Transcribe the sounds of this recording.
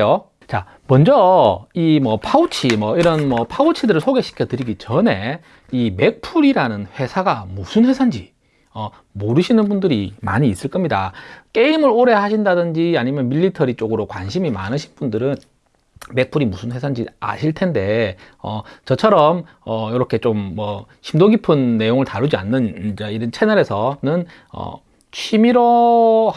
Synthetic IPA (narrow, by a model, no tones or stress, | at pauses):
jo | t͡ɕa̰ | mʌnd͡ʑʌimʌpʰaut͡ɕʰimwʌiɾʌnmʌpʰaut͡ɕʰidɯɾɯɭsʰoɡe̞ɕʰi̥kʰjʌtɯɾiɡit͡ɕʌne̞ | ime̞k̚pʰuɾiɾanɯnɸwe̞sʰaɡamusʰɯnɸwe̞sʰand͡ʑi | ʌ | moɾɯɕʰinɯnbundɯɾima̰ɲiːs͈ɯɭk͈ʌmɲidak͈e̞imɯɾoɾe̞haɕʰindadɯnd͡ʑiaɲimjʌnmiʎːitʰʌɾit͡ɕ͈oɡɯɾokwanɕʰimima̰nɯɕʰinbundɯɾɯn | me̞k̚pʰuɾimusʰɯnɸwe̞sʰand͡ʑia̰ɕʰiɭtʰe̞nde̞ | ʌt͡ɕʌt͡ɕʰʌɾʌm | ʌjʌɾʌkʰe̞t͡ɕomːʌ | ɕʰimdoɡipʰɯnːe̞joŋɯɭtaɾud͡ʑianːɯnd͡ʑaiɾʌnt͡ɕʰe̞nʌɾe̞sʰʌnɯn | ʌ̰ | t͡ɕʰimiɾo